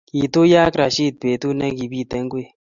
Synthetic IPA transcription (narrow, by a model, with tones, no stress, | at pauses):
i˨t̪o˦ja˦kɾa˨ʃi˦˨t̪̚pe˨t̪u˦nɛ˦ki˨bi˦˨t̪ɛ˨˦ŋɡe˦˨